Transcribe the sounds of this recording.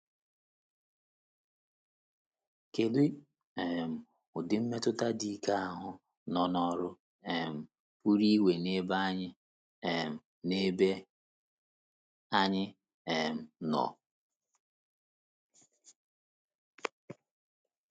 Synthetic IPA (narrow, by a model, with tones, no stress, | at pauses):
ke˨li˦ | e˨m̩˨ | ʊ˨dɪ˨˦m̩˦me˦tʊ˦ta˦di˦ka˦a˦ɦʊ˦ | nɔ˨nɔ˦ɾʊ˦ | e˨m̩˨ | pu˦ɾi˦we˨ne˦ba˦ɲɪ˦˨ | m̩˨ | ne˦be˦ | a˦ɲɪ˦ | e˨m̩˨nɔ̰˨